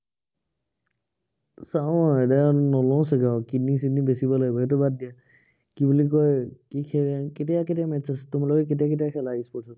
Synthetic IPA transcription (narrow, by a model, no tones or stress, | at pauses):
saʊ̃edanɔlɔʊ̃sɛɡawkinisinibesibɔlabaɦit̬ɔbad̚dija | kibulikɔjkikʰɛaketijaketijamɛtːasɛ̥tʊmalɔkɛk̬etiak̬et̬ijakʰɛlaispɔɹsʰɔ